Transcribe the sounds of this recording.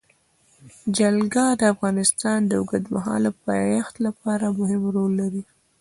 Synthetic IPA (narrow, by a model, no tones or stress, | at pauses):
d͡ʒalɡad̪əafɣɑnɪst̪ɑnd̪əʊɡəd̪maɦɑ̰ləpɑjaxt̪lapɑɾamʊɦɪmɾolːaɾi